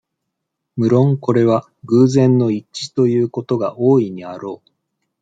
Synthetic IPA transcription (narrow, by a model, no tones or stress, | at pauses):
mɯ̟ɾõ̞ŋko̞ɾe̞β̞a | ɡɯ̟ːzẽ̞nːo̞it͡ɕi̥t̪o̞jɯ̟ːko̞t̪o̞ɡaʔoːiɲ̟iaɾo̞ː